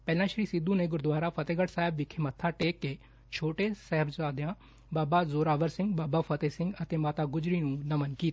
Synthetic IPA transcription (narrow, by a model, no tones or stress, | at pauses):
pɛːlãːʃəɾiːsɪd̪ũːneːɡʊɾd̪ʋaːɾaːpʰət̪eːɡəʈsaːɦɪbʋɪkʰːeːmət̪ʰːaːʈeːkːeː | t͡ʃʰoːʈeːsɛɦəbzaːd̪jãː | baːbaːzoːɾaːʋəɾsɪ̃ŋɡbaːbaːpʰət̪eːsɪ̃ŋɡət̪eːmaːt̪aːɡʊd͡ʒɾiːnũːnəmənkiːt̪ː